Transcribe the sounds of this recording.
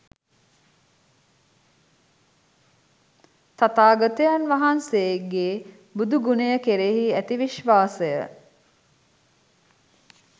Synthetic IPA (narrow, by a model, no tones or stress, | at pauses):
t̪at̪aːɡət̪əjanʋaɦansejeɡeː | bud̪uɡunejəkeɾeɦiæt̪iʋiʃʋaːsəjə